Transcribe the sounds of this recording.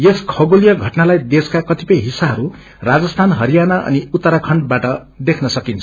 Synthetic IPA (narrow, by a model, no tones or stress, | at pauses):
jeskʰʌɡolijʌɡʱʌʈnalajd̪eskakʌt̪ipʌjɦisaɦʌɾu | rad͡zʌst̪ʰanɦʌɾijanaʔʌ̰niut̪ːʌɾakʰʌɳɖbaʈʌ | d̪ekʰnʌsʌkint͡sʰ